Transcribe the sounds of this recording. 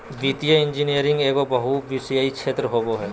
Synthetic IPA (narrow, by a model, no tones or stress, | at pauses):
ʋiːt̪ijəɪ̃nd͡ʒinijəɾɪ̃ŋɡeːkobɐɦuʋisjaikʃʰeːt̪ɾəɦoːboɦɛː